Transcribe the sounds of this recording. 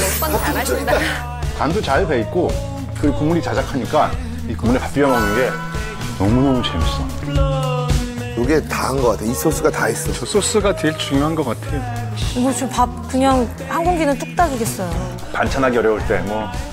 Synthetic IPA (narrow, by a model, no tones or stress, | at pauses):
kandot͡ɕaɭpe̞it̚k͈o | kɯɾkoŋuɾit͡ɕad͡ʑakʰaɲik͈a | ikoŋunepap͈iʌmanɯnɡe̞ | nʌmunomut͡ɕḛms͈ɯnd | joɡe̞taɦɯnɡʌk͈atʰeis͈ʰos͈ʰɯɡatais͈ʌosʰos͈ʰɯɡatweɭt͡ɕuŋjoɦanɡʌk͈atʰe̞jo | mot͡ɕopap̚kɯɲaŋ | haŋɡuŋɡinɯnt͈ok̚t͈ad͡ʑoɡe̞s͈ʌjo | pant͡ɕʰanɦaɡeʌɾjʌuɭt͈e̞mwʌ